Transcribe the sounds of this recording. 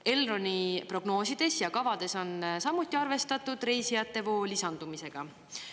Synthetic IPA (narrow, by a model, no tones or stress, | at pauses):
e̞lro̞nʲipro̞ɡ̥no̞ːsid̪̥e̞sjɑkɑvɑd̪̥e̞so̞nsɑmːut̪ːˑiɑrve̞st̪ɑt̪ːˑud̪̥ɾe̞jsijɑt̪ːe̞vo̞ːlisɑnd̪̥umise̞ɡ̥ɑ